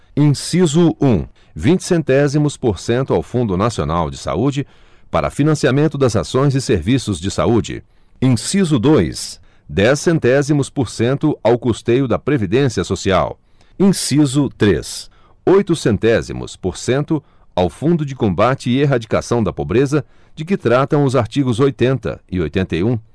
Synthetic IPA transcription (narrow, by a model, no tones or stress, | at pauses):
ĩsizʊũ | vĩt͡ʃɪ̥sẽnt̪ɛzimʊspoɾsẽnt̪ʊawfũnd̪ʊnasionawd͡ʒɪsa̰ud͡ʒɪ | paɾʔɐ̰finɐ̃siamẽnt̪ʊd̪ɐzasõj̃zɪseɾvisʊzd͡ʒɪsa̰ud͡ʒɪ̰ | ĩsizʊd̪ojs | d̪ɛsːẽnt̪ɛzimʊspoɾsẽnt̪ʊawkost̪ejʊd̪ɐpɾevid̪ẽsiɐsosia̰w | ĩsizʊt̪ɾḛs | ojt̪ʊsẽnt̪ɛzḭmʊ̰spoɾsẽnt̪ʊ | awfũnd̪ʊd͡ʒɪkõmbat͡ʃɪːeɦad͡ʒikasɐ̃w̃d̪ɐpobɾezɐ | d͡ʒɪk̬ɪt̪ɾat̪ɐ̃w̃ʊzaɾt͡ʃiɡʊzojt̪ẽnt̪ɐ̰ɪojt̪ẽnt̪ɐjũ